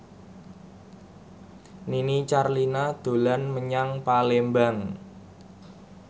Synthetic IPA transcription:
ninit͡ʃarlinad̪̥o̤lanməɲaŋpalembaŋ

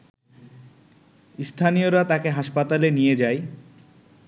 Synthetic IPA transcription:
st̪ʰanijoɾat̪akeɦaʃpat̪alenijed͡ʑaj

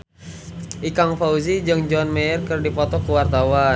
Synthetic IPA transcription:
ʔikaŋfauzid͡ʒɨŋd͡ʒɔnmɛərkɨrdipɔt̪ɔkuwart̪awa

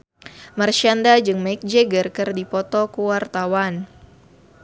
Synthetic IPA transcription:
marʃandad͡ʒɨŋmajk̚d͡ʒɛɡərkərdipɔt̪ɔkuwart̪awan

